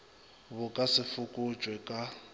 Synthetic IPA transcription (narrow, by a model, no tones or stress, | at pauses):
βʊkʼasɪfʊkʼʊd͡ʒʱʼwɛkʼa